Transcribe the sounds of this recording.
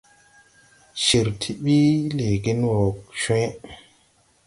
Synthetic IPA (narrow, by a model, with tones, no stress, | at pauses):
ʃi˨ɾtʰi˦ɓi˦le˨ɡi˦nwo˨kʃwẽ˦